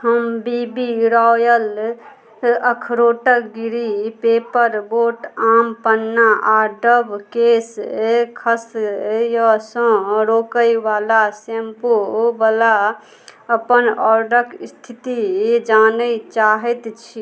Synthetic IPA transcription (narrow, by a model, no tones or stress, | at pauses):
həmbibiɾɔjəl | əkʰɾoʈəkɡiɾipepəɾboʈampənːaʔaɖəbʱkeskʰəsjəsə̃ɾokəjbalasempobala | əpənɔɾɖəkist̪ʰit̪id͡ʒanət͡ʃaɦɛt̪t͡ʃʰi